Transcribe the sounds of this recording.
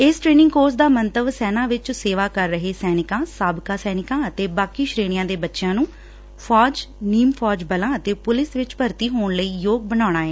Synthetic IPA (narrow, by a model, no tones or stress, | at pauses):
ɪsʈɾeːnɪ̃ŋɡkoːɾsd̪aːmənt̪əʋsɛːnaːʋɪt͡ʃseːʋaːkəɾːəɦeːsɛːnɪkãːsaːbkaːsɛːnɪkãːət̪eːbaːkiːʃɾeːɽ̃ɪjãːd̪eːbətːʃɪjãːnũː | pʰɔːd͡ʒniːmpʰɔːd͡ʒbəlãːət̪eːpʊlɪsʋɪt͡ʃpəɾt̪iːɦoːɳləiːjoːɡ̚bənaːɽ̃aːɛː